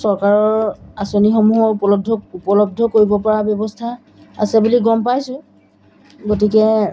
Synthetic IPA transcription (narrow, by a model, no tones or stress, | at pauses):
sɔɹkaɹɔɹasonixɔmuɦɔupɔlɔb̚dʱɔupɔlɔb̚dʱɔkoɹibɔpɔɹabjɔbɔstʰa | asɛbuliɡɔmpajsʊ̃ | ɡotikɛ